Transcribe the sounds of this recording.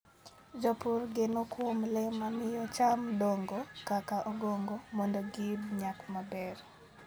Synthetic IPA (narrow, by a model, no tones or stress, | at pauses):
d͡ʒɔpurɡenokwomlɛmamɪjɔt͡ʃamdoŋɡokakaʔɔɡoŋɡomɔndoɡidɲakmabɛr